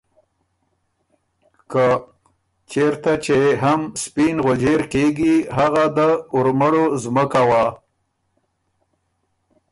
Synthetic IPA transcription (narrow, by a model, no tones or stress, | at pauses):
kə | t͡ʃeɾt̪at͡ʃeɦamspinɣod͡ʒeɾkeɡiɦaɣad̪əʊɾməɽozməkawa